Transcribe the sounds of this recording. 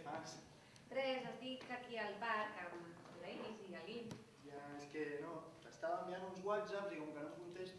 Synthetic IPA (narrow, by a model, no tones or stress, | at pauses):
maksi | t̪ɾɛzazt̪ikakialβaɾkam | laizialin | jaeskenot̪ast̪aβambianunzwazapzikomkənõmkunt̪eʃ